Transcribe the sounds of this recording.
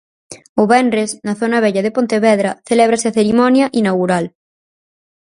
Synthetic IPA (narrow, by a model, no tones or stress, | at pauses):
ʊβɛnɾesnɐθonɐβeʎɐðepont̪eβɛðɾɐθeleβ̞ɾaseaθeɾimɔnjaʔinaɣuɾal